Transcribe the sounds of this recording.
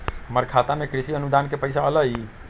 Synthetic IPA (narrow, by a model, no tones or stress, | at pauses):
ɦəməɾkʰat̪amekɾisiənud̪ankepəjsaələj